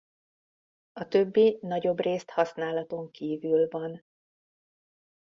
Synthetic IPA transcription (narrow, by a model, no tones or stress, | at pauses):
ɒt̪ø̞bːinɒɟo̞breːst̪hɒsnaːlɒt̪o̞ŋkiːvylvɒn